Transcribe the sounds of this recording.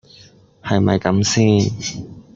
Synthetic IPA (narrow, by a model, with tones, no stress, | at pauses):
hɐ˨jmɐ˨˩jkɐ˨˥msiː˥˩n